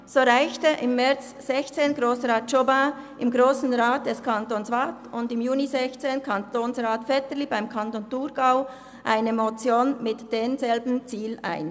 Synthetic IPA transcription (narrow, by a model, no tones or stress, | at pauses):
z̥oːʁaɪçtəʔɪmːɛʁt͡s | z̥ɛçt͡seːnɡʁoːsʁaːt̚t͡ʃobaʔɪmɡʁoːsn̩ʁaːt̚d̥ɛskʰantoːnsvatʊndɪmjuːnizɛçt͡seːnkʰantoːnsʁaːtfɛtəlibaɪmkʰantontuɾɡaʊ | ʔaɪnəmot͡sjoːnmɪtd̥eːnzɛlbn̩t͡siːla̰ɪn